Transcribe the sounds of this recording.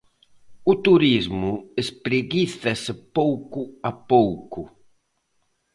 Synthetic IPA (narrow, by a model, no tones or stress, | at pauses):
ut̪uɾizmʊespɾeɣiθespowkʊapowkʊ